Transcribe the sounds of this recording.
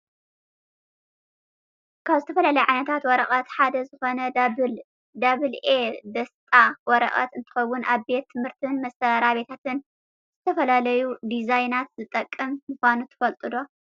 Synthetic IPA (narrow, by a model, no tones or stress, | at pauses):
kʰaβzɨt̪ʰɐfɐlalɐjuʕajnɐt̪ʰat̪wɔɾɐχʼɐt̪ħad̪ɐzɨxo̞nɐ | d̪aβɨled̪ɐst̪ʼawɔɾɐ̰χʼɐ̰t̪ɨnt̪ʰɨ̥xɐwːʊnʔaβbe̞t̪ʰːɨmhɨɾt̪ʰɨnmɐsɐɾaβe̞t̪ʰat̪ɨn | z̥ɨt̪ʰɐfɐlalɐjud̪izajnat̪zɨt̪ʼɐkʼːɐmmɨxʷanut̪ʰɨ̥fɐlt̪ʼɨd̪o̞